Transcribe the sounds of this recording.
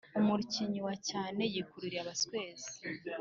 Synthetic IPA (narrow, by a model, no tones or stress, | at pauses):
umuɾuciɲiwacaːne̞jikuɾuɾiaβaskwe̞ːzi̥